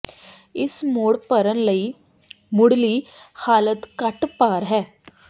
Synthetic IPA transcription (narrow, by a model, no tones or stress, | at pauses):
ɪsmoːɽpəɾənləiː | mʊɽliːhaːlət̪kəʈpaːɾɦɛː